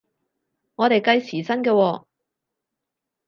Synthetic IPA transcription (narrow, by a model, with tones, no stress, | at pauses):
ŋɔː˨˧ɾe˨jkɐ˧jsiː˨˩sɐ˥nkɛː˧wɔː˧